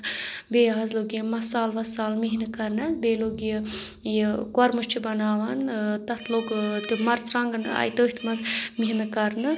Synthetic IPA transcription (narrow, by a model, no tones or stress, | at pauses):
beːɦazloɡijimɐsaːlʋɐsaːlmiɦinɨkɐɾnɐsbeːloːɡijə | jikɐɾmɨʃt͡ʃʰibɐnaːʋɐnt̪ɐt̪ʰloːɡt̪ɨmɐɾt͡sɾaŋɡna̰jt̪əːɦit̪ʰmɐzmiɦinɨkɐɾnɨ